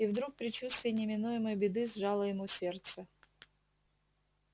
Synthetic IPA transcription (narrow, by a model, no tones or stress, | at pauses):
ivd̪ɾuk̚pɾʲɪt͡ɕust̪vʲɪjənʲɪmʲɪnujɪməjbʲɪd̪ɨzʐɑlˠəjɪmusʲert̪sə